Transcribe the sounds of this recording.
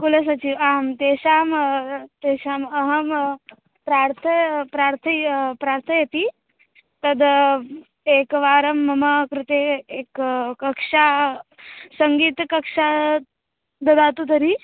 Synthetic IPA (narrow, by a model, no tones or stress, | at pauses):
kulɐs̬ɐt͡ʃiʋaːɦɐmt̪eːʃaːmt̪eːʃaːmɐɦɐm | pɾaːɾt̪ʰɐpɾaːɾt̪ʰɐjpɾaːɾt̪ʰɐjɐt̪i | t̪ɐd̪ | eːkʋaːɾɐmːɐmɐkɾɪt̪eːeːkkɐkʂaː | sɐŋɡiːt̪kɐkʂaː | d̪ɐd̪aːt̪ud̪ɐɾi